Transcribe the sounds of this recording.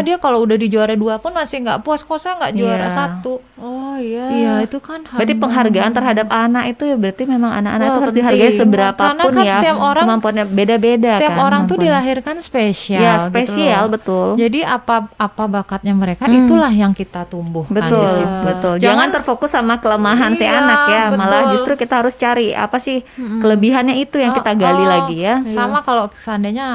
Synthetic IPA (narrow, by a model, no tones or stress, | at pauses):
diakaloudahdid͡ʒuaɾaduapʊnmasɪhŋɡa̰ʔpuaskosaŋɡaʔd͡ʒuaɾasat̪u | ɔhjjaijait̪ukanhbɾat̪ipəŋɦarɡaant̪ərɦadapanakit̪ujabəɾart̪imemaŋa̰nakanakit̪uhaɾʊsdiɦarɡaɲsəbəɾapaarnaʊkajsət̪iapoɾaŋmampuat̪̚ɲabedabedaək̪t̪iaoɾaŋt̪udilaɦirkanspesijasəpesialbət̪ʊld͡ʒadiapaapabakat̪̚ɲaməɾekait̪ulahjaŋkit̪at̪umbʊhbət̪ʊlbət̪ʊld͡ʒd͡ʒaŋant̪ərfokʊsːamakələmaɦansajanakjamalad͡ʒust̪ɾukit̪aɦaɾʊst͡ʃaɾia̰pasɪhkələbiɦanɲait̪ujaŋkkiaɡalilaɡijasamakalosəandaɲa